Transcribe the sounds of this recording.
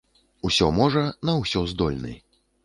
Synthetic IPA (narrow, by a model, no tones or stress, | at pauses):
usʲɔmɔʐɐnɐwsʲɔzd̪ɔlʲnɨ̰